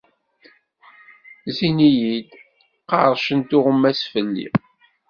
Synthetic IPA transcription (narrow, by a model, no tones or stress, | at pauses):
zinijid̪ | qɑ̰ɾˤʃənt̪ʊʁəmːæsfəlːḭ